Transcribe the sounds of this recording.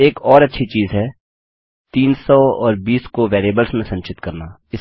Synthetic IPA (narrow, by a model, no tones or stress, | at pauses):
eːkɔːɾɐtːʃʰit͡ʃiːzɦɛː | t̪iːnsɔːɔːɾbiːskoʋeːɾeːbəlsmẽsɐ̃ɲt͡ʃɪt̪kɐɾnaː | ɪ